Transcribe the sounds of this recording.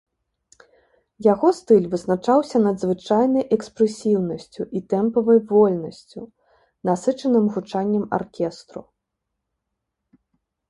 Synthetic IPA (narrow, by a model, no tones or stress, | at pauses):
jaɣɔst̪ɨlʲvɨznat͡ʂawsʲɐnɐd̪zvɨt͡ʂajnɐjʔɛkspɾɛsʲiwnɐsʲt͡sʲuʔit̪ɛmpɐvɐjvɔlʲnɐsʲt͡sʲu | nasɨt͡ʂɐnɨmɣut͡ʂanʲːɐma̰rkʲɛst̪ɾṵ